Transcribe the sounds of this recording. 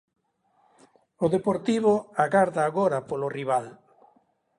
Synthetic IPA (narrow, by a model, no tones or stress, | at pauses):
ʊðepoɾt̪iβoaɣaɾðaːɣoɾapoloriβ̞al